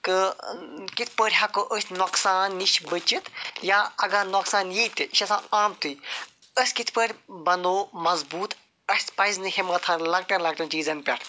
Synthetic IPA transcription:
kɨ | kit̪ʰpəɾʲɦɐkoʔəsʲnoksaːnːiʃbɨt͡ʃit̪jaːɐɡanoksaːnjit̪iiʃɐsãːaːmt̪u | əsʲkit̪ʰpəɾʲbɐnoːmɐzbuːt̪ | ɐsʲpɐjznɨhemɐt̪ʰɐnlɐɡ̚ʈɐnlɐɡ̚ʈɐnt͡ʃiːzɐnʲpʲɐʈʰ

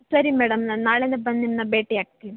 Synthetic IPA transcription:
sɐɾimeɽɐmɐnaːɭenebɐnːinːɐbeːʈːijɐʈkːi

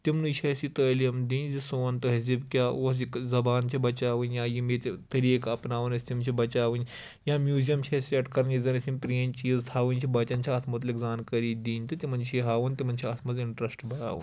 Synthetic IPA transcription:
t̪imnut͡ʃʰɐsit̪əːljɐmd̪ĩːnzisoːnt̪ɐɦɐzibkʲaːos̬ikzɐbaːnt͡ʃʰibɐt͡ʃaːʋɨnjãːjimet̪ʲt̪ɐɾikɐpnaːʋɐnɐsʲt̪imt͡ʃʰibɐt͡ʃaːʋɨn | jãːmjuːzijɐmt͡ʃʰɐsʲiɐʈkɐɾniːzɐnɐsʲimʲpɾeːnt͡ʃiːzt̪ʰaːʋɨnʲt͡ʃʰibɐt͡ʃɐnʲt͡ʃʰiɐt̪ʰmɐt̪likzaːnkɐɾiːd̪iːnʲt̪ɨt̪imɐnt͡ʃʰiɦaːʋɨnt̪imɐnʲt͡ʃʰiɐt̪ʰmɐziɳʈɾɐsʈbʱɐɽa̰ːʋɨ̰n

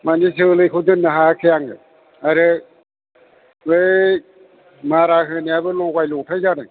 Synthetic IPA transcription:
manisʰɯlɯjkʰɯdɯnːɯɦakʰejaŋɯ̰ | aɾɯ | ɯj | maɾaɦɯnijabɯlɔɡajlɔtʰajzaɾɯ

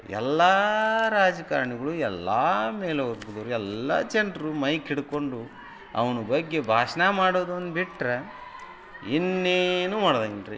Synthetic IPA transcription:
ɛ̰lːaɾaːd͡ʒɐka̰ːɾɐɳiɡɐɭuɛlːaːmeːleuɾɡud̪oːɾuɛlːa̰t͡ʃɛnɖɾumɐjkʰiɽukoɳɖu | ɐ̰ʋɐnubɐɡːe̞bʱaːʂnamaːɽoːd̪und̪ubiʈɾɐ | inːenuːmaːɽd̪ɐŋɾḭ

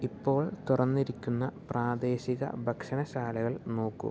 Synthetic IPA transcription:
ipːo̞ːɭt̪urɐnːiɾikʲːunːɐpraːd̪e̞ːɕiɣɐ̰bʱɐkʂɐnɐɕaːlɐɣɐɭno̞ːkːṵm

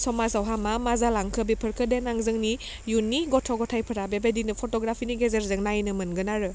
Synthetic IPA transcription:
sɔmazawɦamamazalaŋkʰɯbipʰɯɾkʰɯdenaŋzɯŋni | junːiɡɔtʰɔɡɔtʰajpʰɯɾabebedinɯpʰɔtɔɡɾapʰiniɡezeɾzɯŋnajnɯmɯnɡɯnaɾɯ

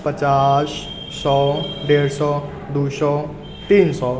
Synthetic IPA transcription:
pət͡ʃasː | ɔɖeɾsɔ | d̪usɔ | t̪iːnsɔ

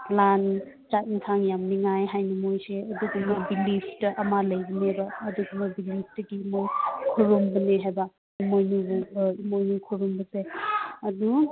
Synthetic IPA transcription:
lan | t͡ʃaintʰaŋjamniŋajɦajnimojseɐduɡumɐbilipʰtɐʔɐmalɐjbɐnebɐːduɡumɐbilip̚ʰtɐɡimojkʰuɾumbɐneɦajbɐ | imojnubuimojnukʰuɾumbɐtajɐdu

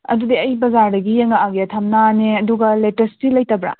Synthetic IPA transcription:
ɐ̰dudiɐjbɐzaɾdɐɡijeŋɐaɡeɐtʰɐmnaneɐduɡɐletɐstilɐjtɐbɾa̰

